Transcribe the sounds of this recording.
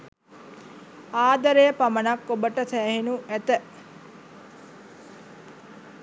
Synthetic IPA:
aːd̪əɾejəpamənakːobəʈəsæːhinuæt̪ə

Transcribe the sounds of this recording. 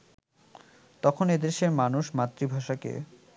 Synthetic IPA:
t̪ɔkʰoned̪eɾʃeɾmanuʃmat̪ːɾibʱaʃakḛ

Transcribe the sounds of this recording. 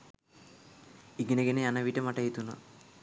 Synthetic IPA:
iɡinɐɡɐneanɐʋiʈːɐmɐʈːɐjit̪ːunːɐ

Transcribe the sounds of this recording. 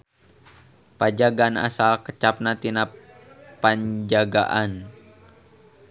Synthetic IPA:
pad͡ʒaɡana̰salkət͡ʃap̚nat̪ina | paɲd͡ʒaɡa̰ʔan

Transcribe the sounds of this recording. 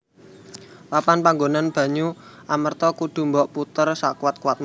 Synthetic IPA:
wapanpaŋɡonanb̥ä̤ɲuʔamərt̪ɔkuɖ̪̥ṳmbɔʔput̪ərsakuwat̪̚kuwat̪̚m

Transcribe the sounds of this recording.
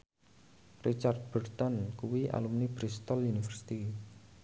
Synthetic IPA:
rit͡ʃard̪̚b̥ərt̪ɔnkuwiʔa̰lumnibɾist̪ɔlunifərsi̥t̪i

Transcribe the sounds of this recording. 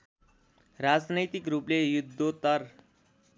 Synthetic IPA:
ɾad͡znəjt̪ikɾuːplejud̪ʱːot̪əɾ

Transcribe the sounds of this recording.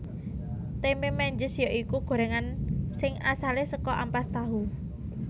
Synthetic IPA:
t̪ememɛɲd͡ʒɪsjɔʔikuɡ̥o̤ɾɛŋansɪŋasalesəkɔʔampast̪aɦu

